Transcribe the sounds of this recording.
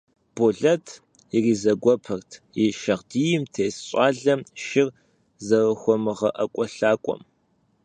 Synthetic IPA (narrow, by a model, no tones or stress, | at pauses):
b̥ʊɮɐtʰ | jɪriːzɐɡʷɔpʰɐrtʰjiʃɐʁdiːjɪmtʰeːsɕʷʼɑːɮɐmʃɪr | zɐrɐxʷɔmɨʁɐ̰ʔɐkʷʼɔɬaːkʷʼɔ̰m